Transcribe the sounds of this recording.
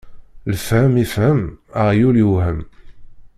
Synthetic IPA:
ləfhəmifhəmaʁjuljuhəm

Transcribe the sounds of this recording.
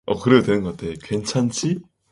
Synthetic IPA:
ʌkɯɾe̞odwe̞nɯnŋɡʌat͈ʰekwe̞nt͡ɕʰant͡ɕʰi

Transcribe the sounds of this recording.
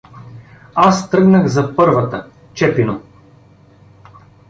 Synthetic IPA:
ast̪ɾɤɡnəɣzɐpɤɾvɐt̪ə | t͡ʃɛpino

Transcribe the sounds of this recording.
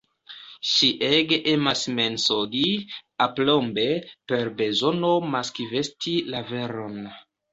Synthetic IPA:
ʃiʔeɡeʔemasme̞nsoɡiaplombe̞pe̞ɾbe̞zo̞nomaskive̞stilave̞ɾon

